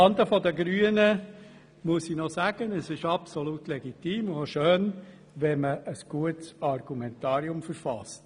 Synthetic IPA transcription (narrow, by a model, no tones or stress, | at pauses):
ɑnd̪əfɔd̪əɡɾyːənə | muəsinɔsæːɡ̥ənəsɪʃɑpsɔlutlɛɡit̪iːmʊoʃøːn | ʋɛməʔəsɡ̥uətsɑɾɡ̥umɛnt̪ɑːɾiʊmfəɾfɑst